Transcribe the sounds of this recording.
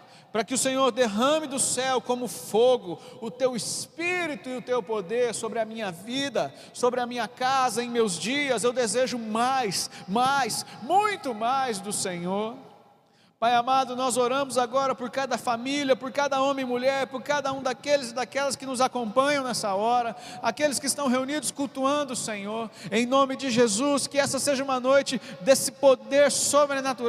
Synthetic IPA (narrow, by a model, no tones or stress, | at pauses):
pɾɐkɪʊsẽɲoɾd̪eɦɐ̃mɪd̪ʊsɛwkõmʊfoɡʊʊt̪ewɪspiɾit̪ʊɪʊt̪ewpod̪eɾsobɾɪɐmĩɲɐvid̪ɐ | sobɾɪɐmĩɲɐkazɐẽj̃mewzd͡ʒiɐzewd̪ezeʒʊmajsmajsmũj̃t̪ʊmajzd̪ʊsẽɲoɾ | pajamad̪ʊnɔzoɾɐ̃mʊzaɡɔɾɐpʊɾkad̪ɐfamiliɐpʊɾkad̪ɐõmẽmuʎɛɾpʊɾkad̪ɐũd̪akelɪzɪd̪akɛlɐskɪnʊzakõmpɐ̃ɲɐ̃w̃nɛsɐɔɾɐakelɪskɪst̪ɐ̃w̃ɦeunid̪ʊskuwt̪uɐ̃nd̪ʊsẽɲoɾẽj̃nõmɪd͡ʒɪʒezuskɪɛsɐseʒɐũmɐnojt͡ʃɪd̪esɪpod̪eɾsobɾenat̪uɾ